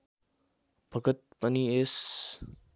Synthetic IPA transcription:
b̥ʱəɡət̪̚pənieːs

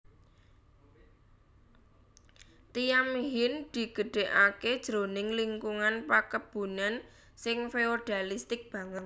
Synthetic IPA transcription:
t̪ijamɦɪnd̪̥i̤ɡ̥ə̤ɖ̥e̤ʔaked̥ʒ̥ɾonɪŋliŋkuŋanpakəb̥ṳnan | sɪŋfeoɖ̥a̤list̪ɪk̚b̥ä̤ŋət̪̚

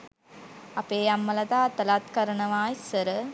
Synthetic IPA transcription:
ɐpeːɐmːɐlɐt̪aːt̪ɐlaːt̪kɐɾɐnɐʋaːjsɐɾɯ

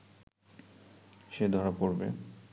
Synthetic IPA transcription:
ʃed̪ʱɔɾapoɾbḛ

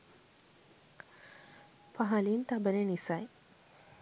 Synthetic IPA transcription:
paɦaliːnt̪abənenisaj

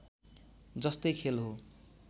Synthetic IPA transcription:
d͡zʌst̪ʌjkʰelɦo

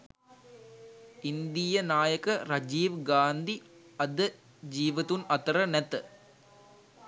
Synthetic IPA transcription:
ɪnd̪ɪjɐnaːjɐkɐɾɐd͡ʒiːʋɡaːnd̪iɐd̪ɐ | d͡ʒiːʋɐt̪unɐt̪ɾɐnɛt̪

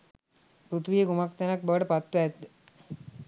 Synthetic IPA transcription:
pɾut̪ʋijəɡumakt̪anak̚bəʋəʈəpat̪ːwɛt̪d̪e

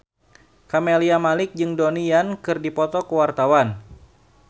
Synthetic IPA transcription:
kameliamalɪk̚d͡ʒɨŋdonijankɨrdipɔt̪ɔkəwart̪awan

